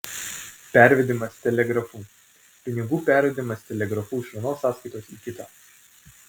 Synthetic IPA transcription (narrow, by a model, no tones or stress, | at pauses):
pʲæˑɾʲʋʲɛd̪ʲɪmɐst̪ʲɛlʲɛɡɾɐfuː | pʲɪnʲɪɡuːpʲæˑɾʲʋʲɛd̪ʲɪmɐst̪ʲɛlʲɛɡɾɐfuːɪʃʲʋʲiɛnoːsːɑːskɐɪt̪oːsiːkʲɪt̪ɑː